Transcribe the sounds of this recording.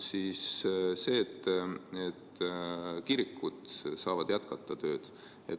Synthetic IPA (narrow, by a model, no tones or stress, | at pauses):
sisse̞ːt̪ːˑet̪ː | kiɾikːˑud̪̥sɑːvɑd̪̥jæt̪kɑt̪ːˑɑt̪ø̞ːd̪̥ | ḛt̪